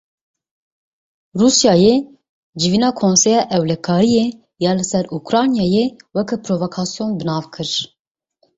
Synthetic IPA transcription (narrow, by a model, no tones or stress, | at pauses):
ruːsjɑːje | d͡ʒɨvinɑːkʰoːnsɛjɑːʔɛwlɛkʰɑːɾije | jɑːlɨsɛɾukɾɑːnjɑːjewɛkʰɛpɾovokʰɑːsijonbɨnɑːvkʰɨɾ